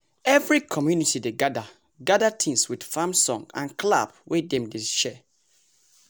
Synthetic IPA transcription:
ɛvɹikʰɔmjunitideɡada | ɡadatʰĩŋswidfamsɔ̰̃ŋɡã̰nkla̰bwedɛ̃mdeʃɛ

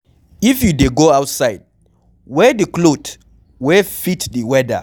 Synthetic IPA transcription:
ifjudeɡoawtsaɪd | wɛdiklot | wɛfitdiwɛda̰

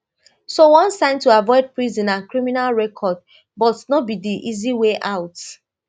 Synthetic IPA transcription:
sowɔ̃nsãɪ̃ntuavɔɪd̚pɹizɔ̃nãnkɹiminalɹɛkʰɔd̚ | bɔtnobidiʔiziweʔaʊt

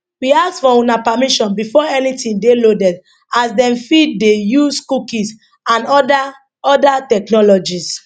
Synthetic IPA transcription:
wiasfɔũnapamiʃɔ̃nbifɔɛnitĩndelodɛt | asdɛ̃mfid̚dejuskukis | ãnɔda | ɔdatɛknɔlɔd͡ʒis

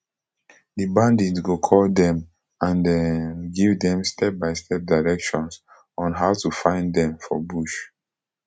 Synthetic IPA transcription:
dibãndĩɡokʰɔld̪ɛ̃m | ãndɛ̃nɡivdɛ̃mstʰɛp̚baɪstʰɛp̚daɪɹɛkʃɔ̃ns | ɔ̃nɦaʊtufãɪ̃ndɛ̃mfɔ̰buʃ

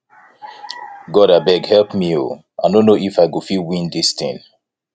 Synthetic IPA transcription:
ɡɔɾabɛɡhɛlˠpmio̰ | ʔanõnoʔifaɪɡofilwĩndistḭ̃n

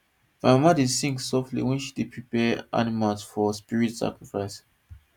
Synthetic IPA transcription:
mamamadisĩŋksɔftlḭwɛ̃nʃi̥depʰɹipɛʔa̰nimalsfɔspiɹitsa̰kɹifaɪs

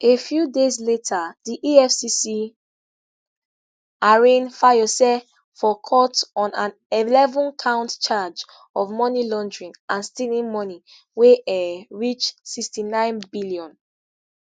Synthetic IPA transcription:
efjudezletʰadiʔiɛfsisi | aɹẽnfajɔsɛ | fɔkʰɔtɔ̃nãn | ilɛvɔ̃nkʰãʊ̃ntt͡ʃad͡ʒ | ɔvmɔnilɔ̃ndɹĩŋãnstĩnĩŋmɔni | weɛɹit͡ʃsikstinãɪ̃nbiliɔ̃n

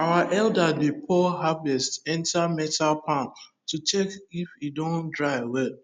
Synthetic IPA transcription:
awaʔɛldadepʰɔɦabɛstɛ̃ntʰamɛtalpʰãn | tut͡ʃɛkifidõndɹaɪwɛd̚

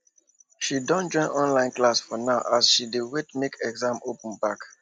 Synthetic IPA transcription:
ʃidɔ̃nd͡ʒɔ̃ɪ̃nɔ̃nlãɪ̃nklasfɔnaʊʔasʃidiwetmekʰɛɡzãmopə̃n̩bak

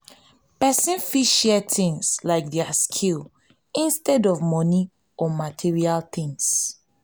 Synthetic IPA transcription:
pɛsĩnfiʃɛtĩŋslaɪk̚diaskʰil | ĩnstɛdɔvmɔni | ɔmatʰiɹialθɪ̃ŋs

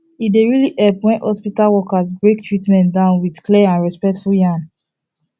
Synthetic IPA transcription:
ideɹiliʔɛpwɛ̃nhɔspitalwɔkazbɹek̚tʰɹitmɛ̃ntdãʊ̃nwidklɛãnɹɛspɛk̚tfuljãn

